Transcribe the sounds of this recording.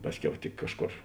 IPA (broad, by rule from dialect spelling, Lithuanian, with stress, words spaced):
ˈpɑːsʲˌkʲɛʊ tʲɪk ˈkɑːʃˌkoːr